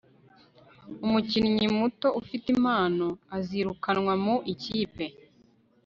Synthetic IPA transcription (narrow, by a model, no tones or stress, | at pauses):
umuciniɲimuto̞ʔufitimaːnoaziɾukanŋwamuʔiciːpe̞